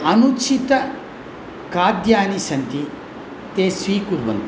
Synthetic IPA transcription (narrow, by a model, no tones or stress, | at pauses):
ɐnut͡ʃʰit̪ɐ | kaːd̪jaːnisɐnt̪i | t̪eːsʋiːkuɾʋɐ̰nt̪i